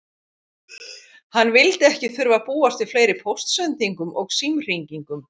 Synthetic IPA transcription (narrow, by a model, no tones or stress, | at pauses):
hanːvɪlt̪ɛhcɪθʏɾvapuːast̪ɪfleːjɾɪpʰɔwst̪sœnt̪iŋkʏmʔɔɣsimr̥iɲciŋkʏm